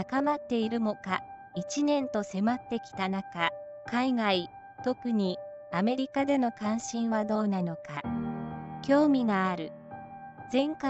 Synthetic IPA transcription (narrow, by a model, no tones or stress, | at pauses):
akamat̪ːe̞iɾɯ̟mo̞ka | it͡ɕinẽ̞nt̪o̞se̞mat̪ːe̞kʲi̥t̪anakakaiɡai | t̪o̞kɯ̟ɲ̟i | ame̞ɾʲikad̪e̞no̞kãɰ̃ɕĩɰ̃βad̪o̞ːnano̞ka | kʲo̞ːmʲiɡaːɾɯ̟ | zẽ̞ŋka